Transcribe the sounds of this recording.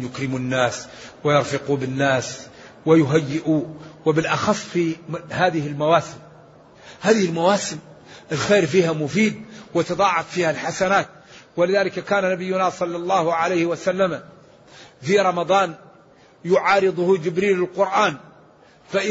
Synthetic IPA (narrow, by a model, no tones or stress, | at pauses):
jʊkɾɪmʊnːaːswɪjɑɾˤfɪqubɪnːaːswɪjʊɦajːɪʔuwɪbɪlʔɑxɑsˤːfihaːðɪhɪlmawaːsɪm | haːðɪhɪlmawaːsɪm | ɪlxeːɾfiːhamʊfiːd̪̚wɪt̪ɑd̪ˤɑːʕɑfːiːhalħasanaːt̪̚ | wɪlɪðaːlɪkakaːnanabɪjːʊnasˤɑlːɑlˤːɑːhʕalajhɪwasalːama | fiɾˤɑmɑd̪ˤɑːn | jʊʕɑːɾɨd̪ˤʊhd͡ʒɪbɾiːlɪlqʊɾʔaːn | faʔɪ